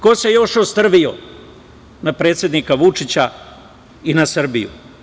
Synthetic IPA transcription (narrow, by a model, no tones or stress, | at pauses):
kosejo̞ʃost̪r̩ʋio | napɾe̞ːt̪sʲje̞d̪nikaʋut͡ʂit͡ɕa | inasr̩bijṵ